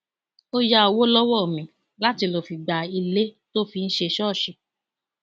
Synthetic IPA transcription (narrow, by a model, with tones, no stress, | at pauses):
o˧ja˧o˨wo˦lɔ˦wɔ˦˨mĩ˨ | la˦ti˧lɔ˨fi˧˨ɡ͡ba˨i˧le˦to˦fi˧n̩˦ʃe˧ʃɔ˦˨ʃi˨